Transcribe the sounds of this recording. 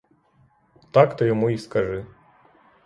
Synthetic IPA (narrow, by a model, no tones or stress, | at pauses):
t̪ɑkt̪ɔjɔmuiskɐʒɪ